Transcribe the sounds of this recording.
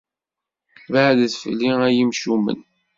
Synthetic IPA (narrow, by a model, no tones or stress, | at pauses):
vaʕðθfəlːiæjimʃumə̰n